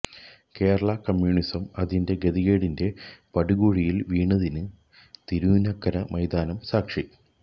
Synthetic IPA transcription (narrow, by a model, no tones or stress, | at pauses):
ke̞ːɾɐɭɐkɐmjuːɳisɐmɐðinde̞ɡeðiɣeːɽinde̞pɐɽuɣuːɻijilʋiːɳːɐðinɨ | t̪iɾuːnɐkːɐɾɐmɐjd̪aːnɐmsaːkʂi